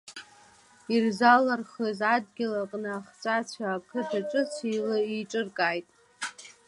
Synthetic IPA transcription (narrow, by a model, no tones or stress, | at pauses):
irzalarχəzadɡʲɪlaqʼnɨːχt͡sʷʼat͡ɕʷʰaːkʰɨdʰaʈ͡ʂʼɨt͡sʰilɨiʈ͡ʂʼɨrkʼajtʼ